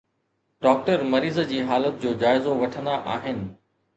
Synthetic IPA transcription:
ɖɔːk̚ʈəɾmɐɾiːzd͡ʑiːɦaːlət̪̚d͡ʑoːd͡ʑaːɪzoʋɐʈʰə̃nd̪aʔa̰ːɦɪnɪ̆

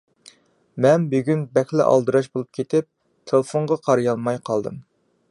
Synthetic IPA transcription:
mɛnbyɡʲynbɛxʲlɪ̰ʔɑ̰lˠd̪ɨɾɑʃbolˠup̚kʲʰet̪ʰɪp̚ | t̪ʰelˠəfoɴʁɑqʰɑɾjɑnmɑjqʰɑlˠd̪ɨ̰m

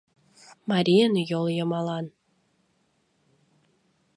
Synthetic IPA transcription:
mɑɾʲijənjolˠjəmɑlˠɑn

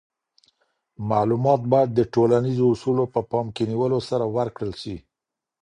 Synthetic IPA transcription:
malumɑt̪̚bɑjad̪ːəʈolanizoʊsulopəpɑmkeniwəlosaɾawaɾkɽəlʃi

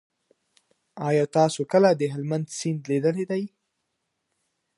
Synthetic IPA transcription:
ɑjɑt̪ɑsokəlad̪əɦɪlmand̪sind̪led̪əled̪aj

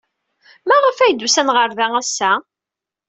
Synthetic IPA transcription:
mæʁəfæjd̪usænʁəɾðæŋæsːæ

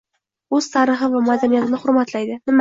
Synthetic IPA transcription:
ɵz̥t̪ʰaɾɨχɨvamad̪anijat̪ɪnɪχʊɾmat̪ʰlajd̪ɪnɪm

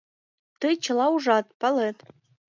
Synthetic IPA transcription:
t̪ɤjt͡ɕɤ̆lˠɑuʐɑt̪̚pɑlet̪

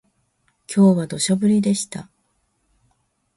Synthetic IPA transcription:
kʲʰo̞ːβad̪o̞ɕo̞bɯ̟ɾʲid̪e̞ɕi̥t̪a̰

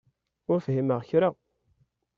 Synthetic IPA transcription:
ʊɾfɦiməʁçɾaʁ

